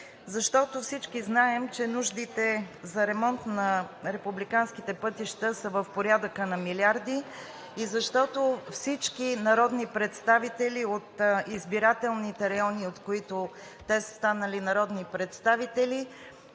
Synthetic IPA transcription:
zɐʃt̪ɔt̪ofsit͡ʃkiznaɛmt͡ʃɛnuʒd̪it̪ɛzɐɾɛmɔnt̪nɐɾɛpublikanskit̪ɛpɤt̪iʃt̪əsəvəfpoɾʲjad̪əkənɐmiliaɾd̪i | izɐʃt̪ɔt̪ofsit͡ʃkinɐɾɔd̪nipɾɛt̪st̪avit̪ɛliot̪izbiɾat̪ɛlˠnit̪ɛɾɐjɔniot̪koit̪o | t̪ɛsə̥st̪anəlinɐɾɔd̪nipɾɛt̪st̪avit̪ɛli

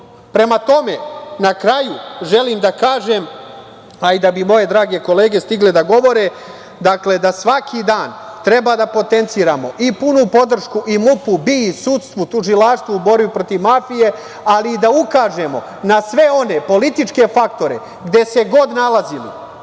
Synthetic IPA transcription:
pɾe̞mat̪o̞me̞nakɾajuʒe̞liːmd̪akaːʒe̞ːm | aid̪abimo̞je̞d̪ɾaːɡe̞ko̞le̞ːɡe̞st̪iɡled̪aɡo̞ʋo̞ɾe̞ | d̪akle̞d̪asʋakʰid̪aːnt̪ɾe̞bad̪apo̞t̪e̞nt̪siːɾaːmo̞ʔipunupo̞d̪r̩ʃkuʔimupubisut̪st̪ʋut̪uʒilaːʃt̪ʋuubo̞ɾbipɾo̞t̪iʋmafije̞ | aliːd̪aukaːʒe̞mo̞̰ | nasʋe̞o̞ne̞po̞lit̪it͡ʃke̞fakt̪o̞ɾe̞̰ | ɡd̪e̞se̞ɡo̞d̪nalazilḭ

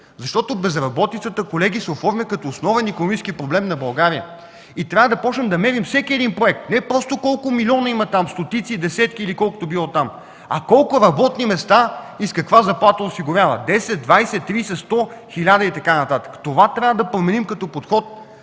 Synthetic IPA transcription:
zɐʃt̪ɔt̪ʊbɛzɾɐbɔt̪it̪sət̪əkolɛɡisɛofɔɾmʲikɐt̪ɔːsnɔvɛnikonomit͡ʃskipɾoblɛmnɐbɐlˠɡaɾijə̰ | it̪ɾʲavəd̪ɐpɔt͡ʃnɛmd̪ɐmɛɾimfsɛkʲiɛd̪inpɾoɛk̚t̪nɛpɾɔst̪okɔlˠkʊmilʲiɔnɐimɐt̪amst̪ot̪it̪sid̪ɛsɛt̪kiːlikɔlˠkʊ̥t̪ʊbilˠɔt̪am | ɐkɔlˠkʊɾɐbɔt̪nimɛst̪aiskɐkvazɐplˠat̪əosiɡʊɾʲjavəd̪ɛsɛt̪̚d̪vajsɛtt̪ːɾisɛst̪ɔxilʲad̪ɐit̪ɐkanɐt̪at̪ə̥kə̥t̪ovat̪ɾʲavəd̪ɐpɾomɛnimkɐt̪ɔpot̪xɔt̪̚

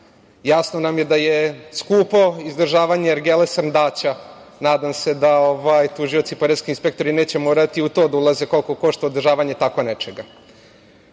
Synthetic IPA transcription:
jasnonamje̞d̪ajeskuːpo̞izd̪r̩ʒaːʋaɲeɾɡelesnd̪aːt͡ɕa | naːd̪amse̞d̪aoʋajt̪uʒijo̞t̪sipoɾet̪skiinspe̞k̚t̪o̞ɾineːt͡ɕe̞moːɾat̪iut̪oːd̪aulˠazeko̞lkoko̞ʃt̪aod̪rʒaːʋaɲe̞t̪ako̞net͡ʃeɡa

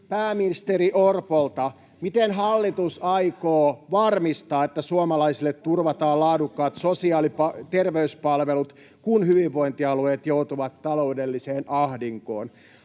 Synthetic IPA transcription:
pæːminist̪eriʔorpolt̪ɑ | mit̪enɦɑlːit̪usɑikoːʋɑrmist̪ɑːet̪ːæsuomɑlɑisilːet̪turʋɑt̪ɑːlɑːdukːɑːt̪sosiɑːlipɑt̪erʋeyspɑlʋelut̪ | kunhyʋiʋːoint̪iɑlueːt̪jout̪uʋɑt̪ːɑloudelːiseːnʔɑhdiŋko̰ːn

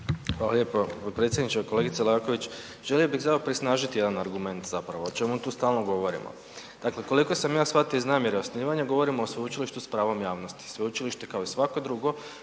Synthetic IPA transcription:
xʋaːlaʎe̞ːpopot̪̚pɾet̪sjed̪nit͡ʃeko̞le̞ɡit̪selako̞ʋit͡ɕ | ʒ̥e̞lijo̞biɣzaopɾisnaːʒit̪ije̞d̪anaɾɡume̞nt̪zapɾaʋoːt͡ʃe̞mut̪uːst̪aːlˠnoɡo̞ʋo̞ɾḭmo̰ | d̪̥akle̞ko̞liko̞samjaːsʋat̪eiznaːmje̞ɾeosniːʋaɲaɡo̞ʋo̞ɾimoːsʋout͡ʃiliʃt̪uspɾaːʋo̞mjaːʋno̞st̪i̥sʋeut͡ʃiliʃt̪e̞kao̞isʋako̞d̪ɾuɡo̞

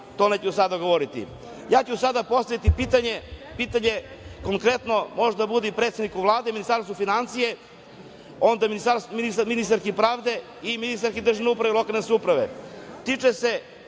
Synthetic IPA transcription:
t̪o̞net͡ɕuusad̪aɡoʋoɾit̪ḭ | jaːt͡ɕusad̪apo̞st̪aʋit̪ipiːt̪aɲepiːt̪aɲeko̞ŋkɾet̪no̞mo̞ʒed̪abud̪ipɾet̪sed̪nikuʋlˠaːd̪eminist̪aɾst̪ufinant̪sije | o̞nd̪aminist̪aɾsmniminist̪aɾkipɾaːʋd̪e̞ | iminist̪aɾkid̪r̩ʒaʋneupɾaʋelo̞kalneskʲeupɾaʋḛt̪it͡ʃese

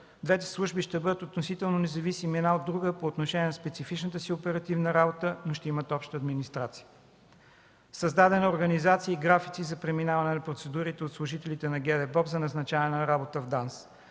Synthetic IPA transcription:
d̪vɛt̪ɛ̥slˠuʒbiʃt̪ɛbɤd̪ət̪ot̪nosit̪ɛlˠnonɛzɐvisimiɛd̪naod̪ːɾuɡəpoːt̪noʃɛnʲiɛnɐspɛt̪sifit͡ʃnət̪əsiopɛɾɐt̪ivnəɾabot̪ənoʃt̪ɛimət̪ɔpʃt̪əːd̪minist̪ɾat̪siə | sɐzd̪ad̪ɛnəoɾɡənizat̪siəiɡɾafit̪sizɐpɾɛminavɐnɛnɐpɾot̪sɛd̪uɾit̪ɛot̪slˠuʒit̪ɛlit̪ɛnɐɡʲɛd̪ɛbɔpzɐnɐznɐt͡ʃaɛnəɾabot̪əvd̪ans

